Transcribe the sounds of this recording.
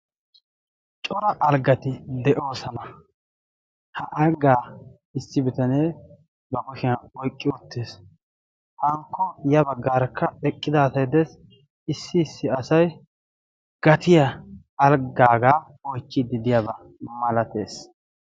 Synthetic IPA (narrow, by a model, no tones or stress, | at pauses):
t͡ʃʼɔɾɐʔːlɡɐt̪ɪd̪ɛʔo̞ːsɐnɐ | hɐʔɐɡaː | ɪsːɪbɪt̪ɐneː | bɐkʊʃɪɐɔjkʼːɪɔt̪ːeːs | hɐŋkːɔjɐbɐɡːaːɾkʰːɐɛkʼːɪd̪aːsɐjd̪ɛs | ɪsːɪːsːɪɐsɐj | ɡ̥ɐt̪ɪjɐː | lɡaːɡaː | ɔjkːɪd̪ɪd̪ɪjabɐ | mɐlɐt̪ḛːs